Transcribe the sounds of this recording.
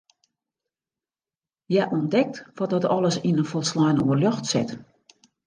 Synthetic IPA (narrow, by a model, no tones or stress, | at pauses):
jɛʔɔndɛk̚tʋɔt̚dɔtɔlˠəsinənfɔlˠslɔjnoərljɔxtsɪ̰t